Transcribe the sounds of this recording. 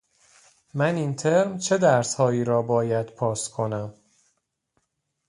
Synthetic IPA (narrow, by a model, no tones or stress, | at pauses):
mæniːnt̪ʰe̞ɾmt͡ʃʰe̞d̪æɾshɒːiːɾɒːbɒːjæd̪̥pʰɒːskʰo̞næm